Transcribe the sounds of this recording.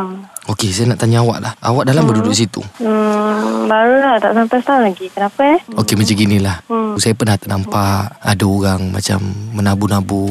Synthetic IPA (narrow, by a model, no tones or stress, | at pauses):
okesajanaʔt̪aɲaawa̰ʔlahawaʔ̚dalambərdudʊʔs̬it̪ṵə | baɾulaht̪aʔsampast̪alaɡikənapəokemat͡ʃaɡinilahsajapərnaht̪ənampaʔa̰daoɣaŋma̰t͡ʃa̰mːənabunabu